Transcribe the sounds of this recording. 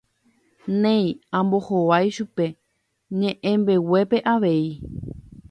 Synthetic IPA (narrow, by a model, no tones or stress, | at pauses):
nẽ̞j̃ãmbo̞hoʋajʃupe̞ | ɲẽ̞ʔẽmbe̞we̞pe̞ʔaʋe̞i